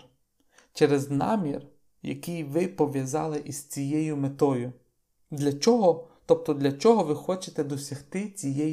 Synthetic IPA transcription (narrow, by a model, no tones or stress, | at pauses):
t͡ʃɛɾɛznɑ̰mʲir | jɐ̰kɪjʋɪpɔʋʲjɐzɑ̰lˠɪʔiz̥t͡sʲijɛjʊmet̪ɔjʊ | d̪lʲɐt͡ʃɔɦɔt̪ɔp̚t̪ɔd̪lʲɐt͡ʃɔɦɔʋɪxɔt͡ʃet̪ɛd̪ɔsʲɐxt̪ɪt͡sʲijɛj